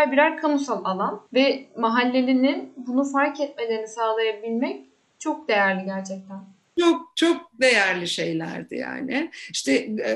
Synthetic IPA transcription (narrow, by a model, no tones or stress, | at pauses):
aɾbiɾaɾkʰamusalˠalˠanvɛmaɦalʲːe̞lʲininbunufaɾcʰɛt̪̚me̞lʲeɾinisaːlˠajabilʲmɛc̚ | t͡ʃʰo̞k̚d̪e̞jæɾlʲiɟæɾt͡ʃʰɛc̚t̪ʰæn | t͡ʃʰok̚t͡ʃʰok̚d̪e̞jæɾlʲiʃe̞jlʲæ̰ɾd̪ɪ̰ja̰ːnɪiʃt̪ʰɛ